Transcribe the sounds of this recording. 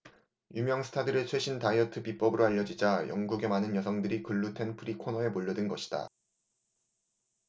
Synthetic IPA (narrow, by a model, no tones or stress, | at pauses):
jumjʌŋsʰɯ̥tʰadɯɾɯɭt͡ɕʰwe̞ɕʰintaiʌtʰɯpip͈ʌbɯɾoaʎːʌd͡ʑid͡ʑajʌ̰ŋɡuɡe̞manɯnjʌsʰʌŋdɯɾikɯɭːutʰe̞npʰɯɾikʰonʌe̞moʎːʌdɯnɡʌɕʰi̥d̥a̰